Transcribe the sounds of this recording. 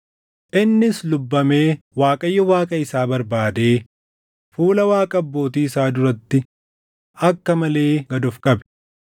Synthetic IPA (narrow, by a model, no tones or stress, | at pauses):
ʔɪnːɪslʊbːɐme̞ː | waːkʼɐjːɔwaːkʼɐɪsaːbɐɾbaːd̪e̞ː | fuːlɐwaːkʼɐbːo̞ːt̪iːɪsaːd̪ʊɾɐt̪ːɪ | ɐkːɐmɐle̞ːɡɐd̪ʊfkʼɐbɛ̥